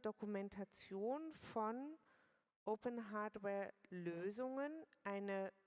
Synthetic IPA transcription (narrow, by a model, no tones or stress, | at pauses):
d̥okumɛntʰat͡sjoːnfɔn | ʔopənɦaːɐdwɛːɐløːzʊŋənʔaɪnə